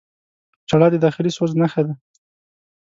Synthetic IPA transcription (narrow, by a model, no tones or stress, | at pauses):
t͡ʃaɽɑd̪əd̪ɑxɪlisoznaxed̪a